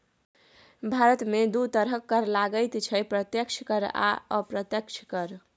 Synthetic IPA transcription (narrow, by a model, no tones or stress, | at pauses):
bʱaɾət̪med̪ut̪əɾɦəkːəɾlaɡəjt̪t͡ʃʰəpɾət̪jəkt͡ʃʰkəɾa̰əpɾət̪jəkt͡ʃʰkəɾ